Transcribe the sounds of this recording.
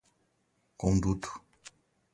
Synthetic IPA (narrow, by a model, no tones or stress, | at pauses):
koŋdutu̥